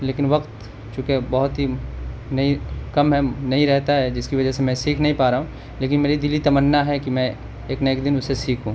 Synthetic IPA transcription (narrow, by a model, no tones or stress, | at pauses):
leːkɪnʋɐqt̪ | t͡ʃũːkebɐɦʊt̪ɦinɐikɐmɦɛnɐɦĩɾɛɦt̪aɦɛd͡ʒɪskiʋɐd͡ʒɛsemɛ̃siːkʰnɐɦĩpaːɾaːɦũ | leːkɪnmeːɾid̪ɪlit̪ɐmənːaɦɛkimɛ̃ | eːknɐeːkd̪ɪnʊsesiːkʰɦũː